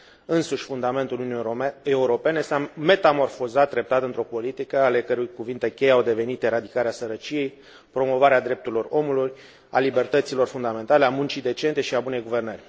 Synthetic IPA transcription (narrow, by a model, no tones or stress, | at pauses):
ɨnsuʃʲfund̪ame̞nt̪ulune̞uɾo̞pe̞nesame̞t̪amo̞rfo̞zat̪̚ːɾe̞p̚t̪at̪əɨnt̪ɾo̞po̞lit̪ikəale̞kəɾujkuvint̪e̞kʲe̞jawd̪e̞ve̞nit̪eɾad̪ikaɾeasəɾət͡ʃije̞j | pɾo̞mo̞vaɾead̪ɾe̞p̚t̪uɾʲilo̞ro̞muluj | a̰libe̞rt̪ət̪silo̞rfund̪ame̞nt̪aleamunt͡ʃid̪e̞t͡ʃent̪e̞ʃiabune̞jɡuve̞rnərʲ